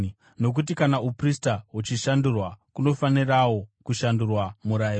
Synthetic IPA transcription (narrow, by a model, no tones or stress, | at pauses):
no̞k̬ut̬ikanaupristaɦut͡ʃiʃandurwakuno̞fanirawo̞kuʃandurwamuɾai